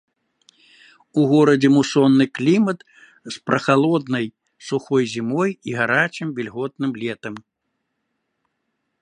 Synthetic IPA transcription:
uɣɔɾɐd͡zʲɛmusɔnːɨklʲimɐt̪ | spɾɐxalˠɔd̪nɐj | suxɔjzʲimɔjiɣaɾat͡ʃɨmvʲɛlʲɣɔt̪̚nɨmlʲɛt̪ɐm

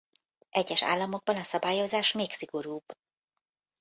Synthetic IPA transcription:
ʔɛɟːɛʃa̰ːlːɒmo̞ɡ̚bɒnɒsɒbaːjo̞zaːʃmeːksiɡo̞ɾuːb̥

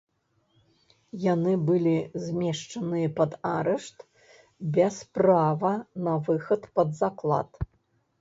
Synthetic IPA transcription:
janɨbɨlʲizʲmʲɛʂt͡ʂɐnɨjɐpɐd̪aɾɛʂt̪ | bʲɛspravɐnɐvɨxɐt̪pɐd̪zaklˠa̰t̪

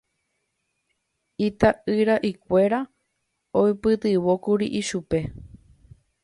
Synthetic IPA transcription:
it̪aʔɨɾaʔikʷe̞ɾa | ojpɨt̪ɨʋo̞kuɾiʔiʃupe̞

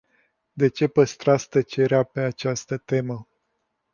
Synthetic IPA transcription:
d̪e̞t͡ʃe̞pəst̪ɾast̪ət͡ʃeɾeape̞at͡ʃast̪ət̪e̞mə

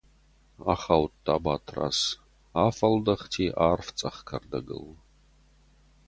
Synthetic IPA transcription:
aχaːwttʰːaːbaːtʰra̰ːs | aːfɐldɐχtʰiːʔaːrft͡sʼɐχkʰɐrdɐɡɨ̰l

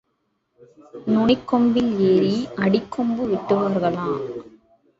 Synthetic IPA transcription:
nʊɳɪkːɔmbɪleːɾiɐɽɪkʰːɔmbɯʋɪʈːɯʋaːɾɣɐɭaː

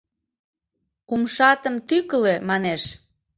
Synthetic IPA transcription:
kumʃɑt̪əmt̪ykəlemɑneʃ

